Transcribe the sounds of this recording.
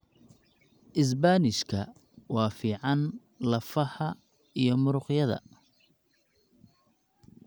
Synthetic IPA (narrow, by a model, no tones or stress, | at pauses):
ʔɪs̬baːnɪʃkʰɐ | wɑːfiːʕɑn | lɐfɐħɐ | ijɞmʊɾʊqjɐðɐ̰